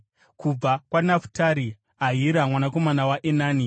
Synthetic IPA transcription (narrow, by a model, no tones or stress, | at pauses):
kub͡vakwanafu̥taɾi | aɦiɾamwanako̞manawaʔenaːni